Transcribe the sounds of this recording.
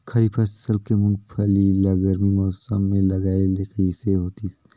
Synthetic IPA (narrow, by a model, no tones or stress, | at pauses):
kʰɐɾipʰɐssɐlb̚kemʊ̃ŋɡpʰɐlilaɡəɾmimɔːsəmːẽlɐɡaːelekəiseɦoːt̪is